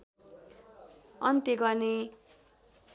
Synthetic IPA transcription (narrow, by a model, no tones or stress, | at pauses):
ʌnt̪eɡʌrne